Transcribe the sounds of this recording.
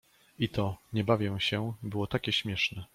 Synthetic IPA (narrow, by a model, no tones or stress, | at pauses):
it̪ɔɲɛbavʲjɛw̃ɕɛbɘwɔt̪akʲɛɕmʲjɛʂnɛ